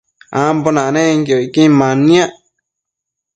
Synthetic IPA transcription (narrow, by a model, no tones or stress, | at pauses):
ãmbonãnẽŋɡjoikĩmãnĩãʔ